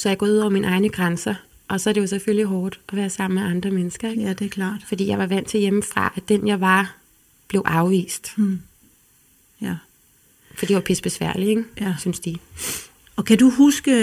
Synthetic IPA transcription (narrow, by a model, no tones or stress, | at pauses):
sɒ̽jɪɡɒ̰ːuð̞̰ˠɒʊɐminʔɑ̈ɪnəɡ̥ʁansɐ | ʔɒ̽sɒɐɾejo̝sefølliɦɒːd̥ʔɒ̽ʋæːɐsɑ̈m̰n̩meɑ̈nd̥ʁɐmenəsɡ̥ɐeɡ̥d̥kʰlɑ̰ːd̥fɒ̽d̥ḭːjɑ̈ɪʋɑ̈ʋæn̰t͡sʰe̝jeməfʁɑ̈ʔæd̥enjɑ̈ɪʋɑ̈ | b̥le̝ʊʔɑ̈ʊʋḭːsd̥ | fɒd̥ḭʋɑpʰesb̥e̝sʋæɐ̰lieɡ̥synsd̥i | ɒkʰæd̥uhusɡ̥ə